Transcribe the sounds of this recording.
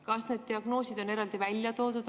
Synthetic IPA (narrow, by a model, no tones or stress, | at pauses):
kɑsne̞ːd̪̚t̪iɑɡ̥no̞ːsid̪̥o̞ne̞ɾɑld̪̥ivælʲjɑt̪o̞ːd̪ud̪